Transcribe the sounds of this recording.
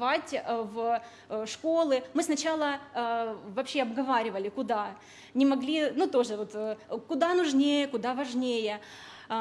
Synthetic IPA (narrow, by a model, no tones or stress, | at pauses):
vatʲv | ʂko̞lˠɨmɨsnɐt͡ɕalˠə | vɐpɕːeɐbɡɐvaɾʲɪvəlʲɪkʊd̪a | nʲɪmɐɡlʲinut̪o̞ʐɨvot̪kʊd̪anʊʐnʲejəkʊd̪avɐʐnʲejə